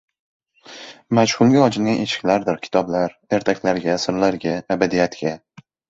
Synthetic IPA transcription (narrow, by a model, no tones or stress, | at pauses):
maʃhʊlˠɡʲaɒd͡ʒɪlɡʲane̞ʃɪ̥kʲlaɾd̪ɪɾkʲʰɪ̥t̪ʰɒblaɾ | e̞ɾt̪ʰakʲlaɾɡʲasɪɾlaɾɡʲaːbad̪ijat̪ɡʲa